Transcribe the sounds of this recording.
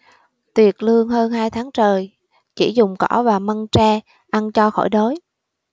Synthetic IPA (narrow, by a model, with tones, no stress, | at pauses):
t̪wi˨˩ət̚lɨ˧əŋɦəː˧nhaː˧jt̪ʰaː˨˦ŋt͡ɕəː˨˩j | t͡ɕi˧˩zʊ˨˩ŋ͡mkɔ˧˩vaː˨˩mə˧nt͡ɕaː˧ | ʔa˧nt͡ɕɔ˧xɔ̰˧˩jɗo˨˦j